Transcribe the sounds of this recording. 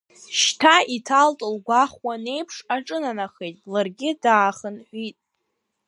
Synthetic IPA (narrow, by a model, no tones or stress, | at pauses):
ʃtʰaitʰaltʼɨlɡʷaχwane̞jpʰʂaʈ͡ʂʼɨnanaχejtʼlarɡʲɪdaːχənħʷᶣitʼ